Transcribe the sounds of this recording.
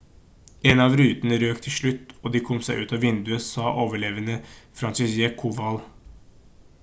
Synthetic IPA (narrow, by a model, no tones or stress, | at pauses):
enɑʋɾʉːt̪ənəɾøːkt̪ʰɪlʂɭʉt̪ːoːd̪iːkʰɔmsæɪʔʉ̰ːt̪ɑʋɪnd̪ʉəsɑːʔoːʋəɭeːʋənəfɾɑnsɪsjɛkʰuʋɑl